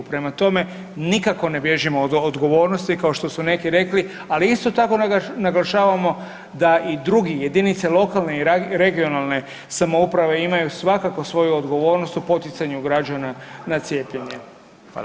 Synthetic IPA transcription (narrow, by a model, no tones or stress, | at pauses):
pɾe̞mat̪o̞me̞ | nikako̞ne̞bje̞ʒimod̪od̪ɡo̞ʋo̞ːɾnost̪ikaoʃt̪o̞sune̞kiɾe̞kli | aliist̪o̞t̪ako̞naɡlˠaʃaːʋamo̞ | d̪aʔid̪ɾuɡije̞d̪init̪selo̞kalˠne̞iɾɾe̞ɡio̞nalˠne̞ | samoupɾaʋe̞imajusʋakako̞sʋo̞juod̪ɡo̞ʋo̞ːɾno̞st̪upo̞t̪it̪saɲuɡɾad͡ʒananat̪sje̞ːpʎeɲe